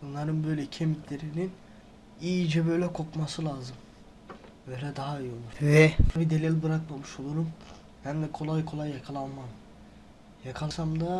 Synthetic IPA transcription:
unlˠaɾɯnbø̞jlʲɛcʰemit̪lʲe̞ɾinin | iːd͡ʒɛbø̞jlʲɛkʰo̞kmasɯlˠaːzɯm | bøejɾʲɛd̪aɦaijo̞lˠuvɛbid̪elʲilʲbɯɾakmamɯʃo̞lˠuɾum | bænd̪ɛkʰo̞lˠajkʰo̞lˠajːakʰalˠanmam | jakʰalˠsamd̪a

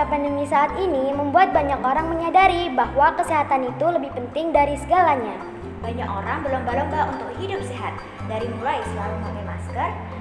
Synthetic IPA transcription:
apandəmisaːt̪iniməmbuat̪̚baɲakoɾaŋməɲadaɾibahwakəseɦat̪anit̪uləbɪhpənt̪ɪŋdaɾisəɡalaɲa | baɲakoɾaŋbərləmbaləmbaunt̪ʊkhidʊp̚seɦat̪̚ | daɾimulajsəlaɾumanamaskər

